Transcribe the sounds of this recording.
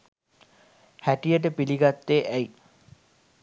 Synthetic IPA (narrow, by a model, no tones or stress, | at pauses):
hæʈijəʈ̬əpiliɡat̪ːeːʔæj